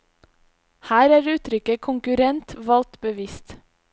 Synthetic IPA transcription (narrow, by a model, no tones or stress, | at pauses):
hæːɾæːɾʉːt̪ɾʏkəkʰʊŋkʉɾɛnt̪ʋɑlt̪bəʋɪst̪